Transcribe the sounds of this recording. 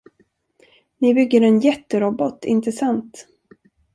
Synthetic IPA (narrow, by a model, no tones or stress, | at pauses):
nɪbʏɡːəɾɛnjɛt̪ːəɾɔbɔt̪ɪ̰nt̪ʰəsant̪